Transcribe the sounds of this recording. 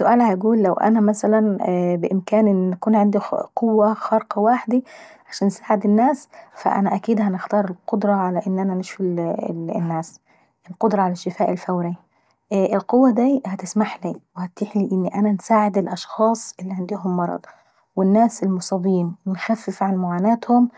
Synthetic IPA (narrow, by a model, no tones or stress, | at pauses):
sːʊʔæːlhæjɡuːlːæwʔæ̰næmæsælænbɪʔɪmkæːnʔɪnækuːnʕend̪iqowːæxɑɾˤqwaːħd̪iʕaʃæːnːsaːʕed̪ɪnːæːsfæ̰ʔæ̰næʔækiːd̪hænɪxt̪ɑːɾˤelqod̪ɾˤɑʕalæʔɪnːʔænæneʃwil | nːæːs | ʔɪlqod̪ɾˤɑʕalaʃːɪfaːʔɪlfæwɾi | ʔɪlqowːæd̪iːhæt̪ɪsmaħliːwhæt̪ːiħliʔɪnːiʔænænsaːʕɪd̪ɪlʔɑʃxɑːsˤʔɪlːiʕand̪iɦʊmːɑɾˤɑ̰d̪ˤ | wɪnːæːsɪlmʊsˤɑbiːmwɪnxæfːɪfʕanmʊʕaːnæːt̪hʊm